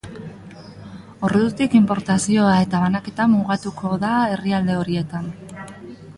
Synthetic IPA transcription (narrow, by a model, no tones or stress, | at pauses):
o̞reðut̪ikimpo̞ɾt̪asio̞ae̞t̪aβanake̞t̪amuɣat̪ukʰo̞ðae̞riald̪e̞o̞ɾie̞t̪an